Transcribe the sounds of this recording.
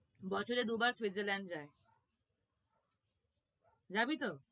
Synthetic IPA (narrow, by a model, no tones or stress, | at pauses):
bɔt͡ɕʰoɾed̪ubaɾswit̪zelɛɳɖd͡ʑae | d͡ʑabit̪o